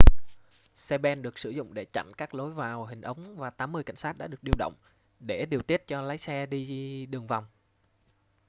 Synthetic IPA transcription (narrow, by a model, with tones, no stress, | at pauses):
sɛ˧ɓɛ˧nɗɨ˨˩ək̚sɨ˧˩zʊ̰˧˨ŋ͡mɗe˧˩t͡ɕa̰˧˨jŋ̟kaː˦˥k̚lo˨˦jvaː˨˩wɦï˨˩ŋ̟ʔə˨˦wŋ͡mvaː˨˩t̪aː˨˦mːɨ˧əjka̰˧˩jŋ̟saː˦˥t̚ɗa̰ː˧˥ɗɨ˨˩ək̚ɗi˧əwɗə̰˧˨wŋ͡m | ɗe˧˩ɗi˨˩əwt̪i˦˥ət̚t͡ɕɔ˧la˨˦jsɛ˧ɗi˧ɗɨ˨˩əŋva˨˩wŋ͡m